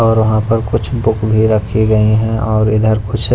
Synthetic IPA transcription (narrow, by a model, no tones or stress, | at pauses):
ɔːɾʋɐɦãpɐɾkʊt͡ʃʰbʊkbʱiɾɐkʰiɡɐiɦɛ̃ɔːɾɪd̪ʱəɾkʊt͡ʃʰ